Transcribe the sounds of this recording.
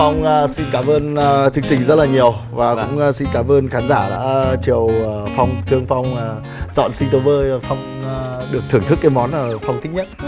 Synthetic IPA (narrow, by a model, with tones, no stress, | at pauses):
a˧wŋ͡msi˧nkaː˧˩mʔəː˧n˧t͡ɕɨ˧ŋt͡ɕï˧˩ŋ̟zə˦˥t̚laː˨˩ɲi˨˩əwvaː˨˩kʊ̰˧˥ŋ͡msi˧nkaː˧˩mʔəː˧nxaː˨˦nzaː˧˩ɗa̰ː˧˥t͡ɕi˨˩əwːfa˧wŋ͡mt̪ʰɨ˧əŋfa˧wŋ͡maː˨˧˩ | t͡ɕɔ̰˧˨nsi˧ŋ̟t̪o˨˦vəː˧jfa˧wŋ͡mɗɨ˨˩ək̚t̪ʰɨ˧˩ŋt̪ɨ˦˥k̚ːaː˨˦jmɔ˨˦nəː˧˨˩fa˧wŋ͡mt̪ʰï˦˥ɲə˦˥t̚